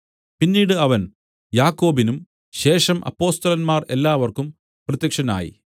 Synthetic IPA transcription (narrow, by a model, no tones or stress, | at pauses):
pinːiːɽɨɐʋɐn | jaːkːo̞ːbinum | ɕe̞ːʂɐmʔɐ̰pːo̞ːst̪ɐlɐnmaːre̞lːaːʋɐrkum | prɐt̪jɐkʂɐna̰ːjḭ